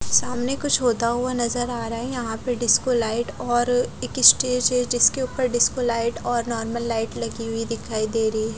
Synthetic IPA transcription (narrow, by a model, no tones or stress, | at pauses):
saːmnekʊt͡ʃʰɦoːt̪aɦʊanɐzəɾaːɾaɛjɐɦãpɐɖɪskolaːɪʈɔːɾɪkɪsʈeːd͡ʒɦɛd͡ʒɪskeʊpəɾɖɪskolaːɪʈɔːɾnɔːɾməlːaːɪʈlɐɡiɦʊid̪ɪkʰːaːid̪eːɾɐɦiɛ